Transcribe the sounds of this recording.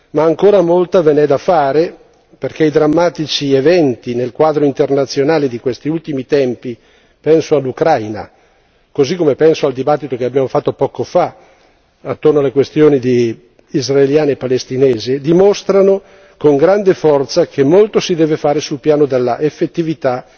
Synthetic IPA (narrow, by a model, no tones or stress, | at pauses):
maːŋkoːɾamolt̪avenɛd̪afaːɾe | perk̟eid̪ɾamːaːt̪it͡ʃievɛnt̪inelkwaːd̪ɾoint̪ernat̪sːjonaːled̪ikwest̪iult̪imit̪ɛmpi | pɛnsoalːukɾajna̰ | kozikːomepɛnsoald̪ibat̪ːit̪okeabjaːmofat̪ːopɔːkofa | at̪ːornoalːekwest̪joːnid̪i | izraeljaːnepalest̪inɛːzed̪imost̪ɾano | koŋɡɾand̪efɔrt̪sakʰemːolt̪osid̪ɛːvefaːɾesulpjaːnod̪elːaʔefːet̪ːivit̪a